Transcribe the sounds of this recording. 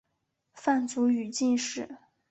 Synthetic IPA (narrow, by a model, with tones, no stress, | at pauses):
fa˥˩nt͡su˧˥y˨˩t͡ɕi˥˧nʂɻ̩˥˩